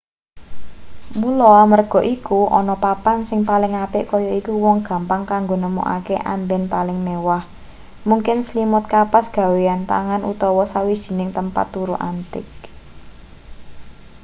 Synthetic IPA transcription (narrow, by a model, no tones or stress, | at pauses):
mulɔamərɡ̥ɔ̤ʔikuʔɔ̰nɔpapansɪŋpalɪŋapɪʔkɔjɔikuwɔŋɡ̥ä̤mpaŋkaŋɡonəmṵʔa̰keʔa̰mbɛnpalɪŋmewah | muŋkɪnslimʊt̪̚kapasɡ̥a̤weant̪a̰ŋanṵt̪ɔwɔsawid̥ʒ̥i̤nɪŋt̪əmpa̰t̪ːuɾuʔant̪ɪ̰k̚